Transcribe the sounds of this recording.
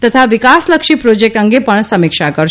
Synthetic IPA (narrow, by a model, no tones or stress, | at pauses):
t̪ət̪ʰaʋikasləkʃipɾod͡ʒek̚ʈəŋɡepəɳsəmɪkʃakəɾʃ